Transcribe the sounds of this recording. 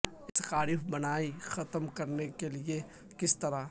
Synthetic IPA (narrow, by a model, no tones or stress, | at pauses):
ɪskaːɾɪfbɐnaːixɐt̪əmkɐɾnekelie | kɪst̪ɐɾa